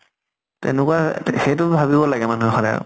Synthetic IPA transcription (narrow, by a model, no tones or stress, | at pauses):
tɛ̰nʊkuwaxejtʊbʱabibɔlaɡɛmanuɦɛxɔdaj̰